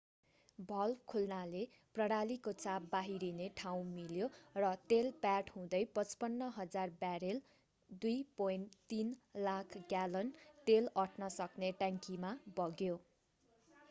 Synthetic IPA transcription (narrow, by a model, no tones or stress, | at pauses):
bʱʌlkʰulnale | prʌɽalikot͡sabbaɦiɾineʈʰaw̃miljorʌt̪elpaʈɦũd̪ʌjpʌt͡spʌnːʌɦʌd͡zarbaɾel | d̪ujpojnt̪inlakʰɡjalʌnt̪elʌʈʰnʌsʌkneʈaŋkimabʌɡjo